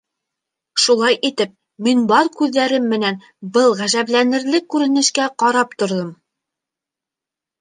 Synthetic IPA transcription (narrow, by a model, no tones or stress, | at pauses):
ʃulˠɑjʔit̪ɘp̚ | minbɑɾkʉðːæɾɘmːɘ̆næn | bɤlˠʁæʒæβlænɘ̆ɾlɘkːʉɾɘ̆nɘ̆ʃkæqɑɾɑp̚t̪ŏɾðɤm